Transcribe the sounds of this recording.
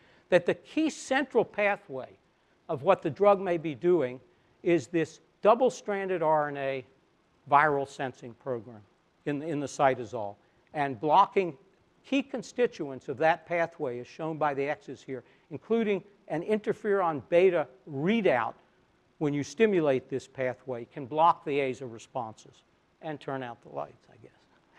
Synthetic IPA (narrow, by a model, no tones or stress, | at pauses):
ðɨt̪̚ðɨkʰisɛ̃nt͡ʃɹ̥l̩ˠpʰæθweɪ | ʌvwʌt̪̚ðɨdɹʌɡ̚meɪbidʉɪ̃ŋ | ɪzðɪs | d̥ʌbl̩ˠstɹ̥æ̃ndɨɾɑɹɨ̃neɪ | vaɪɹl̩ˠsɛ̃nsɪ̃ŋpʰɹ̥oʊɡɹæ̃m | ɨ̃nɪ̃nðəsaɪɾɨzɔ̰lˠ | ɨ̃nblɑkɪ̃ŋ | kʰikʰɨ̃nstɪt͡ʃuɨ̃nsʌvðɨt̚pʰæθweɪɨz̥ʃõʊ̃nbaɪðiɛksɨshiɹ | ɨ̃nkʰl̥ʉɾɪ̃ŋ | ʔɨ̃nɪ̃ntə˞fɪɹə̃nbeɪɾɨɹiɾaʊt̚ | wə̃njɨstɪ̃mjɨleɪt̪̚ðɪspʰæθweɪkʰɨ̃nblɑk̚ðieɪzʌvɹɨspɑ̃nsɨz̥ | ɨ̃ntʰɜ̃˞naʊt̪̚ðəla̰ɪtsaɪɡɛs